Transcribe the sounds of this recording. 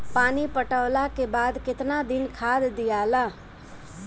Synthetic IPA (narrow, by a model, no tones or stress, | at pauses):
paːniːpəʈəːlakeːbaːd̪kɪt̪naːd̪ɪnkʰaːd̪d̪ɪjaːlaː